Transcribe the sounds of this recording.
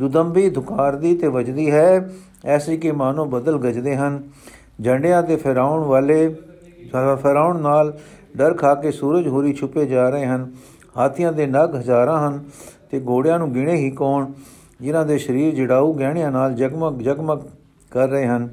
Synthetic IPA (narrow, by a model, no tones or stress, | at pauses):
d̪ʊd̪əmbiːd̪ʱʊkaːɾd̪iːt̪eːʋəd͡ʒd̪iːɦɛː | ɛːsiːkemaːnõːbəd̪əlɡəd͡ʒd̪eːɦən | d͡ʒəɳɖejãːd̪eːpʰɾaːʊɳʋaːleː | pʰəɾaːʊɳnaːlɖəɾkʰaːkeːsuːɾəd͡ʒɦoːɾiːt͡ʃʰʊpeːd͡ʒaːɾəeːɦən | haːt̪ʰɪjãːd̪eːnəɡɦəzaːɾãːɦənt̪eːɡoːɽɪjãːnũːɡɪɽ̃eːɦiːkoːɳ | d͡ʒɪnãːd̪eːʃəɾiːɾd͡ʒəɽaːuːɡɛːɽ̃ɪjãːnaːld͡ʒəɡmd͡ʒəɡmə | kəɾːəeːɦən